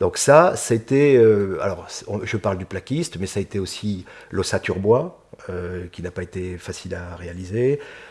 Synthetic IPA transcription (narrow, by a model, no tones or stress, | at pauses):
d̪ɔ̃ksasaet̪ɛøa̰lɔʁsɔ̃ʒəpaʁld̪yplakʲist̪mɛsaet̪ɛosi | losat̪yʁbwa | økʲinapaet̪efasilaʁealize